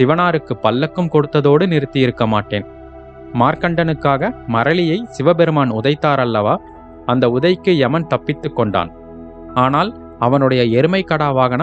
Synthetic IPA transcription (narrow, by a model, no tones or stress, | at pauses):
sɪʋɐnaːɾɯkːɯpːɐlːɐkːɯmkɔɽɯt̪ːɐðoːɽɯnɪɾɯt̪ːɪjɪɾɯkːɐma̰ːʈːeːn | maːɾkɐɳɖɐnɯkːaːɣɐmɐɾɐlɪjɐɪsɪʋɐbɛɾɯmaːnʊðɐɪt̪ːaːɾɐlːɐʋaː | ɐnd̪ɐʊðɐjkːɯɛmɐnt̪ɐpːɪt̪ːɯkːɔɳɖa̰ːn | aːnaːl | ɐʋɐnɯɽɐjɐɛɾɯmɐɪkːɐɽaːʋaːɣɐnɐ